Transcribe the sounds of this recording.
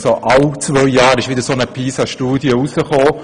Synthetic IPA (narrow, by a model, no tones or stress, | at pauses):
soʔawt͡svœʏjɑːɾɪʃʋɪd̥əɾsonəpʰiːsɑʃtuːdjəusəχoː